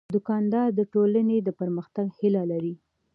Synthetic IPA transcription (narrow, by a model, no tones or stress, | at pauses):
d̪ʊkɑnd̪ɑɾd̪əʈolaned̪əpəɾməxt̪aɡhilalaɾi